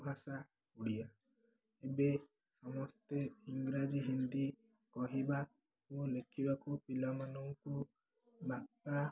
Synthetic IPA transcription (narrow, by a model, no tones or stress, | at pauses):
bʱasa | uɽia | ebe | sɔmɔst̪eiŋɡɾad͡ʒiɦind̪i | kɔɦiba | kolekʰibakupilamanɔŋku | bʱak̚ʈa